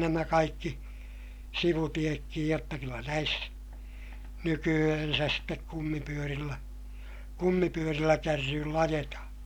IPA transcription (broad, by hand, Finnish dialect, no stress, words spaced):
næmæ kɑikːi siʋutiekːij jotːɑ kylːæ næis nykyæhænsæs stek kumːipyørilːæ kumːipyørilːæ kærːyːlː ɑjetɑhɑ̃ː